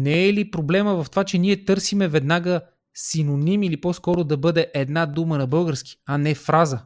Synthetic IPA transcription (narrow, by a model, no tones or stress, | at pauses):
nɛɛlipɾoblɛməvɐft̪ovat͡ʃɛniɛt̪ɤɾsimɛvɛd̪naɡə | sinonimilipɔskɔɾod̪ɐbɤd̪ɛʔɛd̪nad̪umənɐbɤlˠɡəɾski̥ɐnɛfɾazə